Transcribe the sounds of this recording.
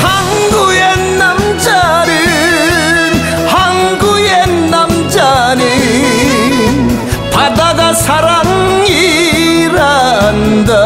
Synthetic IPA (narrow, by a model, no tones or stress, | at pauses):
hɐŋ | ɡuje | nɐm | d͡ʒa | ni | hɐŋɡujenɐmd͡ʒani | pʰɐd̪ɐd̪ɐsɐɾɐŋi | ɾand̪ɐ